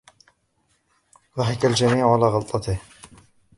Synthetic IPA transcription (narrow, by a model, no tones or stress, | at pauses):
ðˤɑħɪkald͡ʒamiːʕʕalaːɣɑlt̪ˤɑt̪ɪh